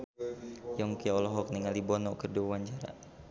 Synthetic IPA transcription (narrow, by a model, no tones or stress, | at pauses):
jɔŋkiɔlɔɦɔk̚niŋalibɔnɔkərdiwawaɲt͡ʃaɾa̰